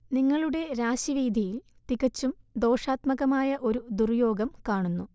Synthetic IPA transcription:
niŋːɐɭuɽe̞ɾaːɕiʋiːd̪ʱijil | t̪iɣɐt͡ɕːumd̪o̞ːʂaːt̪mɐɣɐmaːjɐʔo̞ɾud̪urjo̞ːɡɐmkaːɳunːu

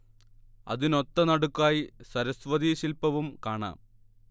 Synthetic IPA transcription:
ɐ̰ðino̞t̪ːɐnɐɽukːaːjisɐɾɐsʋɐd̪iːɕilpɐʋumkaːɳa̰ːm

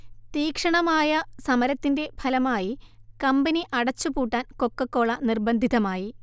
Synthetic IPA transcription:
t̪iːkʂɐɳɐmaːjɐsɐmɐɾɐt̪ːinde̞bʰʱɐlɐmaːjikɐmbɐniʔɐɽɐt͡ɕːupuːʈːaːnko̞kːɐkːo̞ːɭɐnirbɐnd̪ʱiðɐmaːji

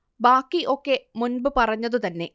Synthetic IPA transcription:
baːkːiʔo̞kːe̞munbɨpɐrɐɲːɐðut̪ɐnːe̞

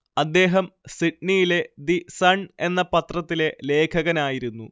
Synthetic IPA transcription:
ɐd̪ːe̞ːɦɐmsiʈ̚nijile̞d̪isɐɳe̞nːɐpɐt̪rɐt̪ːile̞le̞ːkʰɐɣɐnaːjiɾunːu

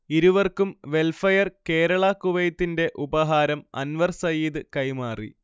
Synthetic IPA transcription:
iɾuʋɐrkumʋe̞lfɐjɐrke̞ːɾɐɭɐkuʋɐjɐt̪ːinde̞ʔubɐɦaːɾɐmɐ̰nʋɐrsɐjiːðɨkɐjmaːrḭ

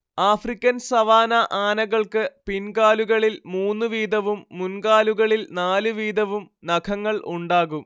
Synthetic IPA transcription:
aːfrikʲːɐnsɐʋaːnɐʔaːnɐɣɐɭkɨpinkaːluɣɐɭilmuːnːɨʋiːd̪ɐʋumːunkaːluɣɐɭilnaːlɨʋiːd̪ɐʋum | nɐkʰɐŋːɐɭʔuɳɖaːɣum

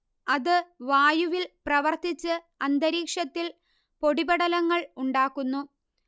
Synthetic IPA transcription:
ɐðɨʋaːjuʋilprɐʋɐrt̪it͡ɕːɨ | ɐnd̪ɐɾiːkʂɐt̪ːil | po̞ɽibɐɽɐlɐŋːɐɭuɳɖaːkːunːu

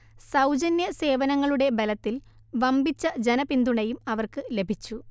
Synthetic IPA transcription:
sɐwd͡ʑɐnjɐse̞ːʋɐnɐŋːɐɭuɽe̞belɐt̪ːil | ʋɐmbit͡ɕːɐd͡ʑenɐpind̪uɳɐjumɐʋɐrkɨle̞bʱit͡ɕːu

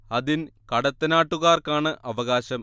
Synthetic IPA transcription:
ɐðinkɐɽɐt̪ːɐnaːʈːuɣaːrkaːɳɨʔɐʋɐɣaːɕɐm

